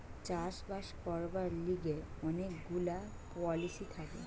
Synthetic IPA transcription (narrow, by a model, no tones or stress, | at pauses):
t͡ɕaʃbaʃkɔɾbaɾliɡe | ɔnekɡula | pɔlisit̪ʰakḛ